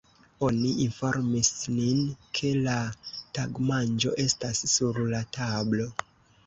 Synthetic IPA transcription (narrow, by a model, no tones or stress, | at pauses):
o̞niinfo̞ɾmisninkʰe̞lataɡmand͡ʒo̞̰ʔe̞stasːuɾlatʰablo̞